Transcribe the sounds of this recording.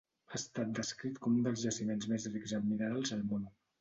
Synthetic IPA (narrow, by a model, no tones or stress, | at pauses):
ast̪at̪̚d̪əskɾit̪kɔmund̪əlˠzʒəsimenzmezriɡzəminaalˠzəlˠmon